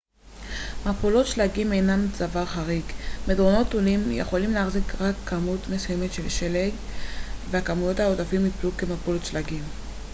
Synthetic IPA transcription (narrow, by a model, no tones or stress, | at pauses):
mapolo̞t̪ʃlaɡime̞jnamt͡savaʁχaʁikmedʁono̞t̪olimjḛχo̞limleaχzikʁakʰːamutmesujemetʃe̞lʃeleɡveakamujo̞thaotafimhipluke̞mapolotʃlaɡim